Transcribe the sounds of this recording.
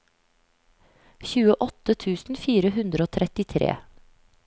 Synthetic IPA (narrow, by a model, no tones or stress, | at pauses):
çʉːəʔɔt̪ət̪ʰʉːsn̩fiːɾəhʉnd̪ɾəoːt̪ʰɾɛt̪ɪt̪ʰɾḛː